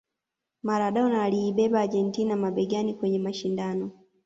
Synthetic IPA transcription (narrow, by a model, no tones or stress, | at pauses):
maɾaɗɔɔnaːliːɓɛɓaːʄɛntinamaɓɛɡanikwɛɲɛmaʃindanɔ